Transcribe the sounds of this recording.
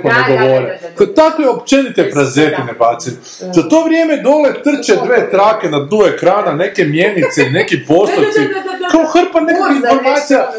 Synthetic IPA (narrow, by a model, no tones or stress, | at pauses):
koneɡo̞ʋoːɾeot̪akojeo̞pt͡ʃe̞nit̪epɾaze̞t̪inebaːt̪seni | zot̪o̞ːʋɾʲjeːmed̪o̞let̪r̩t͡ʃed̪ʋe̞ːt̪ɾaːke̞nad̪uekɾaːnane̞ke̞mjemit̪se̞ine̞kipo̞st̪ot͡ʃ̪ikaoxr̩pane̞kakinffo̞ɾmaːt̪sija